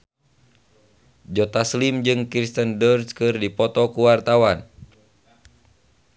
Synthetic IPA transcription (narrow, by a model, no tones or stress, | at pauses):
d͡ʒɔt̪aslimd͡ʒɨŋkɾist̪əndərskɨrdipɔt̪ɔkuwart̪awan